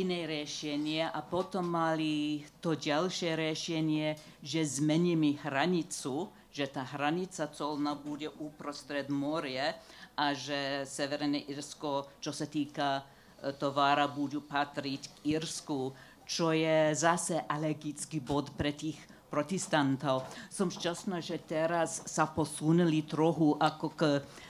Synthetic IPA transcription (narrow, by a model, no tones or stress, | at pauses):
inɛjɾjɛʃɛɲɪɛʔapɔt̪ɔmːalit̪ɔɟalʃɛɾjɛʃɛɲɪɛ | ʒɛzmɛɲimiɦɾaɲit͡su | ʒɛt̪aɦɾaɲit͡sat͡sɔlnabuɟɛʔupɾɔst̪ɾɛd̪mɔɾiɛʔaʒɛsɛʋɛɾɛnɛʔiɾskɔt͡ʃɔsat̪iːka | t̪ɔʋaːɾabudupat̪ɾickiɾsku | t͡ʃɔjɛzasɛʔalɛɡit͡skibɔt̪pɾɛt̪iːx | pɾɔt̪ɛst̪ant̪owsɔmʃcasnaʒɛt̪ɛɾasːapɔsunilit̪ɾɔɦuʔakɔk